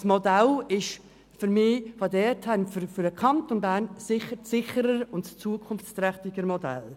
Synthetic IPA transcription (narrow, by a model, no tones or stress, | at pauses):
smɔdɛlɪʃ | fʏɾmɪːʋodɛːthɛnfɾfʏɾəkʰɑntonbæːɾnsɪχəɾsɪχəɾəɾʊntt͡suəkʰʊnft͡st̪ɾɛχt̪ɪɡəɾmɔdɛ̰l